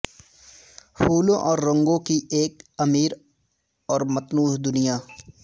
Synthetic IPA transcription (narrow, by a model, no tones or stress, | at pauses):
puːlõʔɔːɾːɐ̃ŋɡõkieːkɐmiːɾ | ɔːɾmɐt̪nuːɦd̪ʊnija